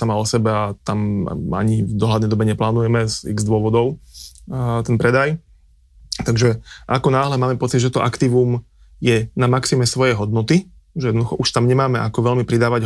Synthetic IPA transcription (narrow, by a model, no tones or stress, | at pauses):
samaɔsɛbɛat̪am̰a̰ɲivd̪ɔɦlad̪nɛjd̪ɔbɛɲɛplaːnujɛmɛzḭɣzd̪ʊɔʋɔd̪ɔʊ | t̪ɛnpɾɛd̪aj | t̪aɡʒɛʔakɔnaːɦlɛmaːmɛpɔt͡siɟʒɛt̪ɔʔakt̪iʋum | jɛnamaksimɛsʋɔjɛɦɔd̪̚nɔt̪i | ʒɛjɛd̪nɔd̪uxɔʔuʃt̪amɲɛmaːmɛakɔʋɛʎmipɾid̪aːʋaɟ